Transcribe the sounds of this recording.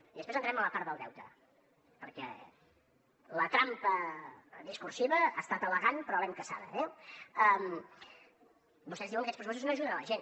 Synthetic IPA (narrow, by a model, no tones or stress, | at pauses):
iðəspɾeznt̪ɾɛmələpaɾt̪ðəlˠd̪ɛ̰wt̪ə̰ | pəɾkɛ̰ | lət̪ɾampəðiskuɾsiβəast̪at̪ələɣanpɾɔβɛmkəsa̰ðə̰ɛəm | bust̪ɛzðiwə̃ŋkɛspɾsues̬uznoəʒuðənələʒen